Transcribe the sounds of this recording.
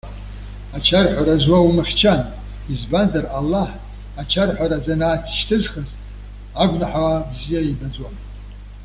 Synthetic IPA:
at͡ʃʰarħʷaɾazwawumɨχʲt͡ʃʰan | izbanzaralːaħ | at͡ʃʰarħʷaɾad͡zʼanaːt͡sʰʃtʰɨzχazʼ | aɡʷnaħabzijaibad͡zwa

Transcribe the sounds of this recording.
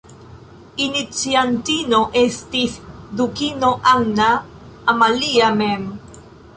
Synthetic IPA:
init͡sjant̪inoʔest̪isd̪ukinoʔawnaː | maliamem

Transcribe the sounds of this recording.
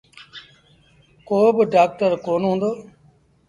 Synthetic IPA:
koːbɖaːk̚ʈəɾkoːnɦũːnd̪oː

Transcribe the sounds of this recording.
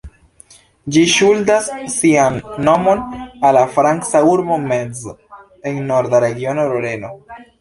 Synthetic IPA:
d͡ʒiʃuldasːianːo̞mo̞nalafɾaŋsauɾbo̞mez | eŋːo̞ɾd̪aɾe̞ɡio̞noɾoɾe̞no̞

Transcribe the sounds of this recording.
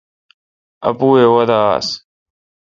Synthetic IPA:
ə̰puːeːwəd̪a̰ːs

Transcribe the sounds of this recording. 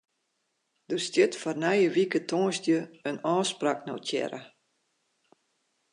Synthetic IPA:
d̥ərstjɪtfɔrnajəʋikətʰɔ̃ːstjəənɔːsprakno̰tʰjɛ̰ɾə

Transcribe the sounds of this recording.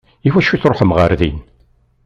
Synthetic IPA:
ifæʃːiθɾˤoħəmʁə̰ɾðḭn

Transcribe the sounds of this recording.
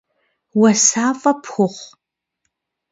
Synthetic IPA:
wɐsaːfʼɐpʰxʷʊχʷ

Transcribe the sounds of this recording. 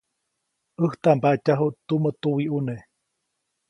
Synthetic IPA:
əht̪ambaʔcaɦuʔt̪umət̪uwiʔune

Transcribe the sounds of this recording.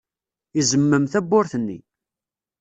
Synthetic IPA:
izəmːəmθæbːʊɾθənːḭ

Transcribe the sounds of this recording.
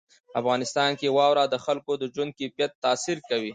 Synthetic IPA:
afɣɑnɪst̪ɑnkewɑwɾɑd̪əxalkod̪əd͡ʒwʊnd̪̚kipjat̪ːɑsiɾkawi

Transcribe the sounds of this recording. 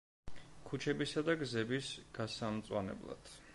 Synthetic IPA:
kʰut͡ʃʰɛbisad̪aɡzɛbisɡ̥asamt̪sʼwa̰nɛ̰blˠa̰d̪̥

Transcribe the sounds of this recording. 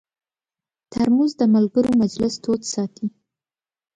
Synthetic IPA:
t̪ʰaɾmuzd̪əmalɡəɾomad͡ʒlɪst̪ʰot̪sɑt̪ʰi

